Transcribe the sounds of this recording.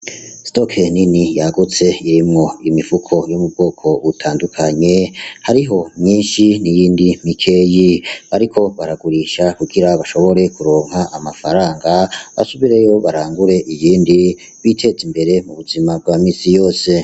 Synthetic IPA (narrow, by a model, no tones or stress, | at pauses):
sto̞kʰeninijaɡut͡se̞iɾimŋo̞imivukʰo̞jomub̚ɡo̞ːkʰo̞βutʰaːndukʰaɲe̞haɾiɦo̞mɲiːnʃinijiːndimikʰe̞jiβaɾikʰo̞βaɾaɡuɾiʃakuɡiɾaβaʃo̞βo̞ɾe̞kuɾo̞ːŋhaʔːmafaɾaːŋɡaβa̰suβiɾe̞jo̞βaɾaːŋɡuɾe̞ʔijiːndi | βitʰe̞zimbe̞ɾe̞muβuzimab̚ɡwaːmiːsijo̞ːse̞